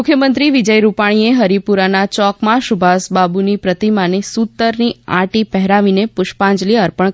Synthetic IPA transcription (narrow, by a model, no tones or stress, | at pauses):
ʊkʰjəmənt̪ɾiʋid͡ʒəjɾupaɽ̃ieɦəɾipuɾanat͡ʃɔkmãʃubʱasbabunipɾət̪imanesut̪ːəɾnia̰ʈipɛɦɾaʋinepʊʃpãɲd͡ʒliəɾpəɳ